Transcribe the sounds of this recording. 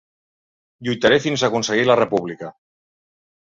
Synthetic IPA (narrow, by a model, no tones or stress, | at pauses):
ʎujt̪aɾefinzakunseɣilarepuβlika